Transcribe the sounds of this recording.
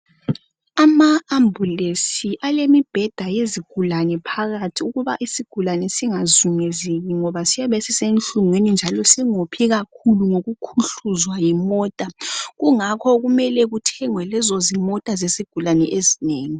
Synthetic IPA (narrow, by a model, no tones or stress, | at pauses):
amaːmbʱulesiʔalemib̥ʱɛd̥ʱajeziɡ̥ʱulanɛpʰaɣatʰiuɣuβa̰ʔisiɡ̥ʱulanɛsiŋazuŋezeɣiŋɔβasijaβɛsisent͡ɬʼuŋwenind͡ʒʱalɔsiŋopʰiɣakʰuluŋoɣukʰuɬuzwajimɔːtʼaɣuŋakʰɔɣumɛlɛɣutʰɛŋwɛlɛzɔzimɔtʼazesiɡ̥ʱulanɛʔezineːŋi